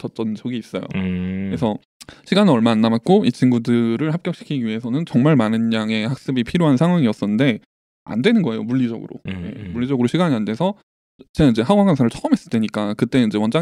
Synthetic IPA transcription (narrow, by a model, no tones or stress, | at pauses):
t͡ɕʌt͡ɕ͈ʌnt͡ɕʌɡiːs͈ʌjo̰kɾesʰʌ | ɕʰiɡanɯʌɭmaːnːamat̚k͈oit͡ɕinɡudɯɾɯɭhap̚k͈jʌk̚ɕ͈i̥kʰiɡiɥiɦe̞sʰʌnɯnt͡ɕʌŋmaɭmanɯnːaŋe̞hak̚s͈ɯbipʰiɾjoɦansʰaŋɦwaŋiʌs͈ʌnɯnde̞ | a̰ndwe̞nɯnɡʌejo̰muʎːid͡ʑʌ̰ɡɯ̰ɾo̰je̞̰muɭʎːid͡ʑʌɡɯɾoɕʰiɡaɲiandwe̞sʰʌ | t͡ɕeɡaind͡ʑe̞haɡwaɡwansʰaɾɯɭt͡ɕʰʌɯmɦes͈ɯd͈we̞ɲik͈akɯt͈e̞ind͡ʑe̞wʌnd͡ʑa